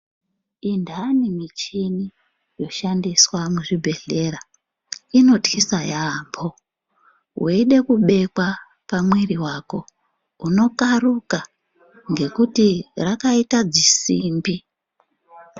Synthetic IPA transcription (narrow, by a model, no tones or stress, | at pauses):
indanimit͡ʃini | jo̞ʃandiswamuʐibʱe̞ɮe̞ɾa | ino̞tkisajambʰo̞ | ɦuiɗe̞kuɓe̞kwa | pamwiriwako̞ | uno̞karuka | ŋɡe̞kutirakaitad͡zisiːmbi